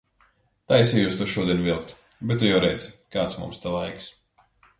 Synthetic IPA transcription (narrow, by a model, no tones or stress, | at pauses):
t̪asʲijuːst̪uʃuɔd̪iɛnvilˠk̚t̪ | bɛt̪̚ːujawɾɛjt̪skaːt̪smṵ̃mst̪alˠajks